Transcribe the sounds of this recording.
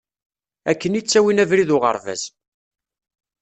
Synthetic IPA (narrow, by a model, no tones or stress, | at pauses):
ækːənit͡sːæwinævɾiðʊʁə̰ɾˤvæ̰z̥